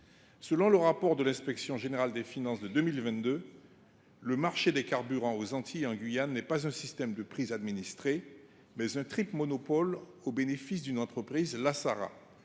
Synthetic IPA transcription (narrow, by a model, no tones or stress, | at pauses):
səlɔ̃ləʁapɔʁd̪əlɛ̃spɛksjɔ̃ʒeneʁald̪efinɑ̃sd̪əd̪ømilvɛ̃t̪d̪ø | ləmaʁʃed̪ekaʁbyʁɑ̃ozɑ̃t̪ʰiɑ̃ɡɥijanːɛpazɛ̃sist̪ɛmd̪əpχizad̪minist̪χe | mɛzɛ̃t̪χipmɔnɔpɔlobenefisd̪ynɑ̃t̪χəpχizlasaʁa̰